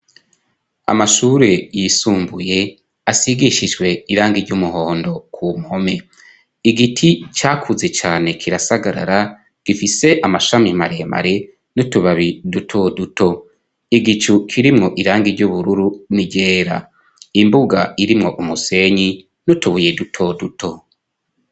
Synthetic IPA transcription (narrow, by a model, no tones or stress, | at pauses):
a̰maʃuːɾe̞jisuːmbuje̞ | asiɡiʃid͡ʒɡwe̞iɾaːŋɡiɾɟumuho̞ːndo̞kʰumhome̞ | iɡitʰit͡ʃaːkʰuze̞t͡ʃaːne̞kʰiɾasaɡaɾa̰ɾa | ɡ̥ifise̞ʔamaʃamimaɾe̞ma̰ɾe̞ | nutuβaβidutʰoduto̞ | iɡit͡ʃukʰiɾimŋo̞ʔiɾaːŋɡiɾɟuβuɾuɾuniɟeːɾa̰ | imbuɡa̰iɾimŋo̞ʔumuse̞ɲi | nutuβuje̞dutʰo̞dutʰo̞